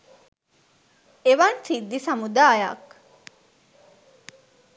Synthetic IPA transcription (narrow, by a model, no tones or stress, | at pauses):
eʋansid̪ːisɐmud̪aːja̰k